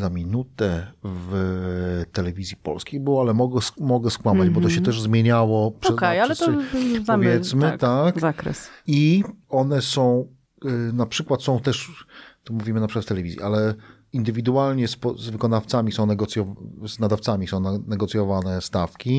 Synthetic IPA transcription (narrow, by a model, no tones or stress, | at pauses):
zamʲinut̪ɛv | t̪ɛlɛvʲizʲjipɔ̰lskʲejbɘwɔalɛmɔɡɛsmɔɡɛskwamad͡ʑbɔt̪ɔɕɛt̪ɛʐzmʲjeɲawɔpʂɔɛzkɛjalɛt̪ɔvʲjɛt̪smɘt̪akzakɾɛ̰siɔnɛsɔ̃w̃ | napʂɘkwat̪sɔ̃w̃t̪ɛʂt̪ɔmuvʲimɘnapʂɨkwatft̪ɛlɛvʲizʲjḭʔalɛ | ind̪ɘvʲid̪ualɲɛspɔzvɘkɔnaft̪samʲisɔ̃w̃nɛɡɔt̪sʲjɔvznad̪aft̪samʲisɔ̃w̃nanɛɡɔt̪sjɔvanɛst̪afkʲi